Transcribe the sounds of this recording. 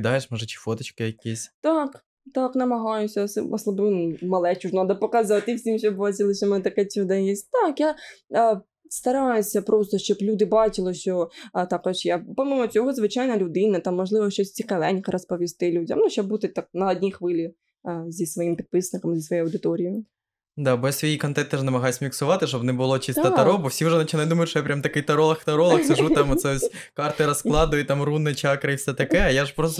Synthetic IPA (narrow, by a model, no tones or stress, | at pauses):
d̪ɑjʃmɔʒɐt͡ʃi̥fot̪ɐt͡ʃkɪjɐkʲisʲt̪ɑk | t̪ɑknɐmɐɦɑjʊsʲɐsɔsˠɐbɪnmɐlˠɛt͡ʃuʒnɑd̪ɐpɔkɐzɑʋt̪ɪiwsʲimʃt͡ʃɔbbɑt͡ʃʲɪlˠɪʃʲɔmɛnɛt̪ɐkɛt͡ʃʲud̪ɐjɛsʲtʲt̪ɑkja | st̪ɐɾɑjʊsʲɐpɾʔɔst̪ɔʃt͡ʃɔblʲud̪ɪbɑt͡ʃɪlˠɪʃt͡ʃɔt̪ɑkɔʃjapɔmʲimɔt͡sʲɔɦɔzʋɪt͡ʃɑjnɐlʲʊd̪ɪnɐt̪ɑmːɔʐlˠɪʋɔʃt͡ʃɔsʲt͡sʲikɐlɛnʲkɐɾɐspɔʋʲist̪ɪlʲudʲɐ̰nuʃɔbut̪ɪt̪ɑk̚nɐɔdʲnʲixʋɪlʲi | zʲisʋɔjimpʲid̪̚pɪsnɪkɐmzʲisʋɔjejɐwd̪ɪt̪ɔɾʲij | d̪ɑbɔjasʋijikɔnt̪ɛnt̪ɛʒnɐmɐɦɑjsʲmʲiksʊʋɑt̪ɪʃɔbnɛbʊlˠɔt͡ʃist̪ɐt̪ɐɾɔbɔwsʲiuʒɛnɐt͡ʃɪnajd̪umɐjʊtʃɔjapɾʲamt̪ɐkɪjt̪ɐɾɔlˠɐxt̪ɐɾɔlˠɐxsɪʒut̪ɑmɔt̪sɛɔsʲkɑrt̪ɪɾɐsklˠɑd̪ʊjɛt̪ɑmrunːɪt͡ʃɑkɾɐifsʲɛt̪ɐkɛɐjaʒpɾɔst̪